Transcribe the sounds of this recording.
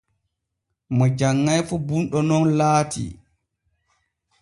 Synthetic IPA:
mɔd͡ʒaŋːajfubunɗɔnɔnlaːtʰḭ

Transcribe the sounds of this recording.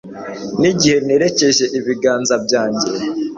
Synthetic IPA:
niɟihe̞ne̞ːɾe̞ce̞ʒe̞ʔiβiɡaːnzab̚ɟaːɲɟe

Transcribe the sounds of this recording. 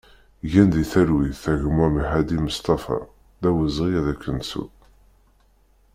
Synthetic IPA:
ʝænd̪iθæɾwiθæʝəmwæmħæd̪iməst̪ɑfɑ̰ | ðæwəzʁijæðækːənsṵ

